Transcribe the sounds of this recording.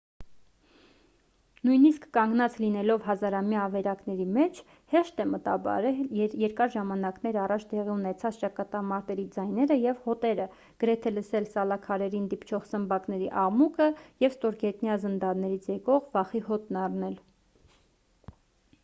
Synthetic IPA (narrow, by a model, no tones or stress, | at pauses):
nujniskːɑŋɡnɑt͡slinɛlɔvɦɑzɑɾɑmjɑːvɛɾɑkn̪ɛɾimɛt͡ʃʰ | hɛʃt̪ɛmət̪ɑ̰bɑ̰ɾɛjɛɾkɑɾʒɑmɑnɑknɛɾɑrɑt͡ʃʰd̪ɛʁiunɛt͡sʰɑt͡st͡ʃɑkɑt̪ɑmɑɾt̪ɛɾid͡zɑjnɛɾəjɛvhɔt̪ɛɾə | ɡ̥əɾɛt̪ʰɛləsɛlsɑlɑkʰɑɾɛɾind̪ipt͡ʃʰɔʁsəmbɑknɛɾiʔɑʁmukʰəjɛvst̪ɔɾɡɛt̪njɑzənd̪ɑɾnɛɾit͡sʰjɛkɔʁvɑχiɦɔt̪nɑrnɛl